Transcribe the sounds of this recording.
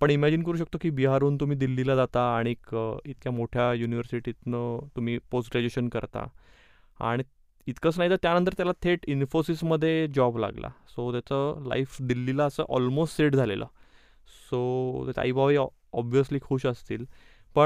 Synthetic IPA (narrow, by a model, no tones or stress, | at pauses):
pəɳimæd͡ʑinkəɾuːɕ̬ək̚t̪okiːbiɦaɾuːnt̪um̤iːd̪ilːilad͡zat̪aːɽ̃ikit̪kjamoʈʰjajuniʋəɾsiʈit̪nət̪um̤iːposʈɡɾad͡ʑueɕənkəɾt̪a̰ | a̰ɽ̃i | it̪kəːt͡snaɦit̪əɾt̪janənt̪̬əɾt̪jalat̪ʰeʈinfosisməd̪ʱːjed͡ʑɔbla̰ɡla̰sot̪jat͡səla̰ifd̪ilːilaəsə̰ːʔɔlmosʈseʈd͡zʱalelʔə̰ː | sot̪at͡ɕa̰a̰ibʱaʋi | ɔbʋijəsliːkʰuːɕəst̪iːl | pə